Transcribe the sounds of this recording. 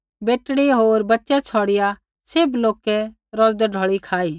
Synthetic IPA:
beːʈɽiɦoːɾbɐtːʃɛt͡sʰɔːɽɪja | seːbloːkɛ | ɾɔːzd̪ɛɖʱɔːɭikʰaːiː

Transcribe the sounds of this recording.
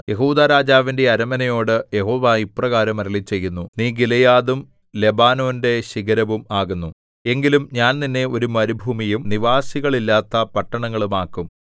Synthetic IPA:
jʔe̞ɦuːd̪aːɾaːd͡ʑaːʋinde̞ɐɾɐmɐnɐjo̞ːɽɨje̞ɦo̞ːʋaːiprɐɣaːɾɐmɐɾɐɭit͡ɕːe̞jːunːuniːɡilɐjaːðum | le̞baːno̞ːnde̞ɕiɣɐɾɐʋumaːɣunːu | e̞ŋɡilumɲaːnninːe̞o̞ɾumɐɾubʱuːmijumniʋaːsiɣɐɭilːaːt̪ːɐpɐʈːɐɳɐŋːɐɭumaːkːum

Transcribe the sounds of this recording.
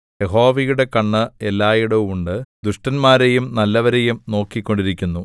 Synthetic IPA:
je̞ɦo̞ːʋijuɽe̞kɐɳːɨelːaːjuɽemuɳɖɨd̪uʂʈɐnmaːɾejumnɐlːɐʋɐɾe̞jumno̞ːkːikʲːo̞ɳɖiɾikʲːunːu

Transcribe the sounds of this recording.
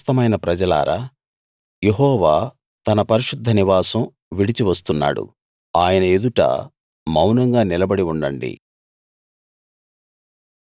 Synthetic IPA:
st̪ɐmɐjnɐpɾɐd͡ʒɐla̰ːɾa̰ː | jeɦɔːʋaː | t̪ɐnɐpɐɾiʃud̪ʱːɐniʋaːsɐm | ʋiɽit͡ʃiʋɐst̪unːa̰ːɽṵ | aːjɐnɐe̞d̪uʈɐ̰ | mɐwnɐŋɡaːnilɐbɐɽiuɳɖɐ̰ɳɖḭ

